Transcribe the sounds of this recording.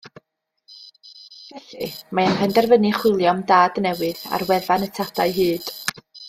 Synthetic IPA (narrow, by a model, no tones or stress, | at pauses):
vɛɬimaənrɛndɛrvənɨχwɪlˠjɔmdaːdnɛwɨða̰rwɛðanətʰadaɨɦɨːd̥